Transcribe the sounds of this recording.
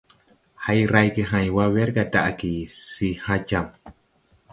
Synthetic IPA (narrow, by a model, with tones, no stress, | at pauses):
ha˦jɾa˦jɡe˧ɦã˨jwa˦wɛ˦ɾɡa˨da̰˨ʔki˨si˧hã˦d͡ʒa˨m